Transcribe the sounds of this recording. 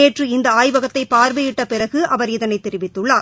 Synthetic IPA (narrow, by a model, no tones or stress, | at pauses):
eːʈrɯɪnd̪ɐaːjʋɐɣɐt̪ːɐɪpaːɾʋɐjɪʈːɐpɪɾɐɣɯʔɐʋɐɾɪðɐnɐɪt̪ːɛɾɪʋɪt̪ːɯɭːaːɾ